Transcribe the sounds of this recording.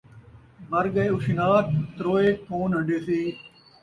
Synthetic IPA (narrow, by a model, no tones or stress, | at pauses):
mɐɾɡəeːʊʃɪnaːt̪t̪ɾoːeːkoːnɦə̃ɳɖeːsiː